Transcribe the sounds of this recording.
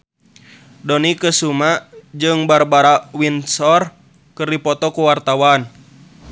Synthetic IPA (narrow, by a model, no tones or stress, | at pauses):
dɔnikəsumad͡ʒɨŋbarbaɾawinsɔr | kərdipɔt̪ɔkuwart̪awan